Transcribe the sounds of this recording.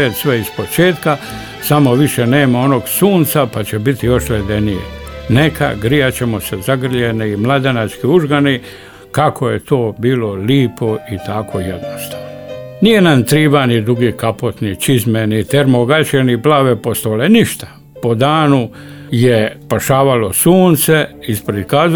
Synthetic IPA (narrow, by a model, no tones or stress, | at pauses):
et̪sʋeispo̞t͡ʃeːt̪ka | samo̞ʋiʃeneːmao̞noɡsuːnt̪sapat͡ɕebit̪ijo̞ʃled̪enijḛnekʰa̰ɡɾiat͡ɕemosezaɡr̩ʎeniːmlˠad̪enat͡ʃkiuʒɡani | kakʰojet̪o̞ːbiːloliːpʰo̞it̪ʰakʰojed̪nost̪aːʋnonijenant̪ɾiːbanid̪ɾuɡiːkapot̪nit͡ʃizmenit̪eɾmoɡat͡ʃeniplaːʋepost̪oːleniʃt̪ḁ | po̞d̪aːnu | jepaʃaːʋalosuːnt̪seispɾed̪kaːz